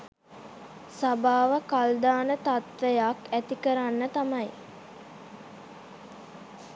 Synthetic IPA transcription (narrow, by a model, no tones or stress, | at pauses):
sabaːʋəkald̪aːnət̪at̪ʋejakæt̪ikəɾanːət̪amɐj